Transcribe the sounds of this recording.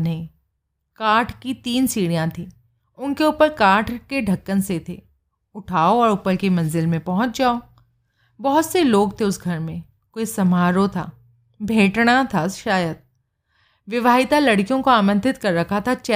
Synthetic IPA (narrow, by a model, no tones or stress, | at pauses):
nɐɦĩ | kaːʈʰkit̪iːnsiːɽijãt̪ʰiː | ʊnkeuːpəɾkaːʈʰkeɖʱɐkːənset̪ʰeː | ʊʈʰaːoɔːɾʊpəlkemɐ̃nzɪlmẽpɔɦʊ̃t͡ʃd͡ʒaːo | bɔɦʊt̪seloːɡt̪ʰeʊsɡʱɐɾmẽ | koːisɐmɦaːɾot̪ʰa̰ː | bʱeːʈɽ̃at̪ʰaʃaːjəd̪̚ | ʋɪʋaːɦɪt̪alɐɽkijõkoaːmə̃nt̪ɪt̪kɐɾːɐkʰat̪ʰat͡ʃɛ